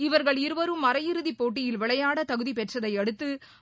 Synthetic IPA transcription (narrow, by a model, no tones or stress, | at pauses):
ɪʋɐɾɣɐɭɪɾɯʋɐɾɯmːɐɾɐjɪɾɯðipːoːʈ̬ːɪjɪlʋɪɭɐjaːɽɐt̪ɐɣɯðipɛʈrɐðɐɪɐɽɯt̪ːɯ